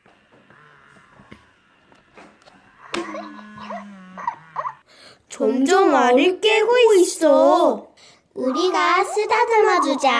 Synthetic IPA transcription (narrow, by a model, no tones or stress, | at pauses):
t͡ɕʌmd͡ʑʌmaɲɯk͈eɡoiis͈ʌ | uɾiɡas͈ʰɯdadɯmadud͡ʑa